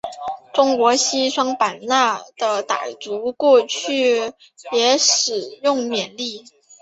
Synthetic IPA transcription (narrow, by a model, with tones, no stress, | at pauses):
ʈ͡ʂʊ˥ŋkwɔ˧˥ɕi˥ʂwɑ˥ŋpa˨˩nna˥˩d̪̥ə˩t̪a̰˨˩ɪt͡su˧˥kwɔ˥˧t͡ɕʰy˥˩ | jɛ˧˥ʂɻ̩˨˩jʊ˥˩ŋmjɛ˨˩nli˥˩